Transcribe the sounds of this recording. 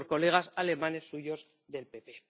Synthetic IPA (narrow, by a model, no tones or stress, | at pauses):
sko̞le̞ɣ̞asale̞mane̞sːuʝo̞z | ðe̞lpe̞pe̞